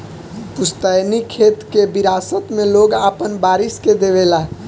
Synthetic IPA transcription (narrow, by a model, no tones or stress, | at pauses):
pʊst̪ajnikʰet̪kebiɾaːsət̪mẽloɡapənbaːɾisked̪eβela